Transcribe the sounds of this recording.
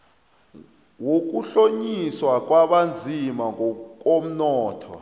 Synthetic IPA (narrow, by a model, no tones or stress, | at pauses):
wok̬uɬoɲiswak̬ʼwaɓand͡zʱimaŋk̬ʼom̩nɔːtʰɔ̰